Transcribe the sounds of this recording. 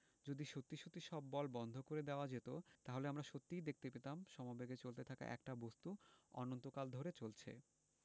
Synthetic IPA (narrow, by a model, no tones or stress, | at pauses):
d͡ʑod̪iʃot̪ːiʃot̪ːiʃɔbːɔlbɔnd̪ʱokoɾed̪eoad͡ʑet̪ot̪aɦoleamɾaʃot̪ːijd̪ek̚t̪epet̪amʃɔmabeɡet͡ɕolt̪et̪ʰaka̰ʔɛ̰kʈabost̪uɔ̰nont̪okald̪ʱoɾet͡ɕolt͡ɕʰḛ